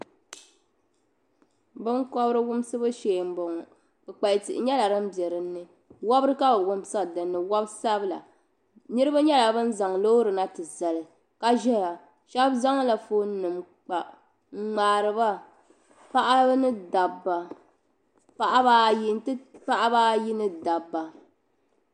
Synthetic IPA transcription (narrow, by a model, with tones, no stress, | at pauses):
bɨ˦nkɔ˦bɾɨ˦wʊ˦m˦sɨ˦bɨ˦ʃeː˨m̩˦bɔ˨ŋɔ˨ | bɨ˨k͡pa˨ɪ˨tḭ˨ʔɪ˨ɲɛ˦la˨ɾɨ˦m̩˦bjɛ˨ɾɨ˨nː˦ɨ˦ | wɔ˦bɾɨ˦ka˦bɨ˨wʊ˦msa˦˨dɨ˨nːɨ˨wa˦bsa˦bɨ˦la̰˨ | nɨ˦ɾɨ˦ba˦ɲɛ˦la˨bɨ˦n˦za˨ŋlo˦ɾɨ˨na˦tɨ˨za˨lɨ˨ | ka˦ʒɛ˦a˨ | ʃɛ˦bza˦ŋ˦la˨foː˦nɨ˨m | k͡pa˨ | ŋ͡m̩˦ŋ͡maː˨ɾɨ˨ba˦ | pa˦ʔa˦nɨ˦da˨bːa˨ | pa˨ʔa˦ba˦˨ji˦n˦tɨ˦pa˦ʔa˦ba˦ji˦nɨ˦da˨bːa˨